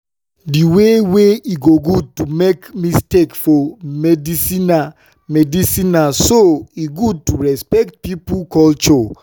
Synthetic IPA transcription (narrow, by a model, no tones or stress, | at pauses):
diweweiɡoɡud̚tumekmistekfɔmɛdisina | mɛdisinasoiɡud̚tuɹɛspɛk̚t̚pipulkɔlt͡ʃɔ